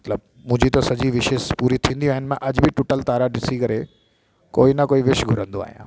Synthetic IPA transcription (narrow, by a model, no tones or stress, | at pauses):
mɐt̪ləb̚ | mʊ̃ɦɪ̃d͡ʑit̪ɐsɐd͡ʑiʋɪʃɪspuːɾit̪ʰĩːnd̪iaːɦɪnɪ̆mẽʔɐd͡ʑbʱɪʈʊʈəlt̪aːɾaɗɪsikɐɾe | koːinɐkoːiʋɪʃɡʱʊɾə̃nd̪oa̰ːɦijãː